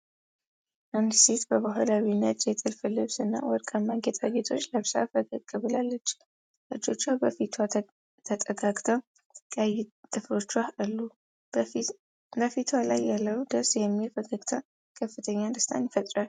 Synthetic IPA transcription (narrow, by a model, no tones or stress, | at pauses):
ʔɨnd̪set̪bəβaɦalawinːət̪ʼjɛt̪ʼɨlfɨlɨβsɨnːa̰wɔɾkʼəmːaɡet̪ʼaɡet̪ʰo̞t͡ʃːləβsa̰fəɡəɡʼɨβɨlalːət͡ʃː | ʔɨd͡ʒo̞t͡ʃːabəfit̪ʰwa | t̪ʰət̪ʼəɡakʼt̪ʰəw | kʼajt̪ʼːɨflo̞t͡ʃːaɨlːu | bəfit̪ʰwalajːalːəwd̪əsjɛmːifəɡaɡt̪ʰə | kʰəfːɨt̪ʰəɲːand̪əst̪ʰa̰njɪfət̪ʼɾal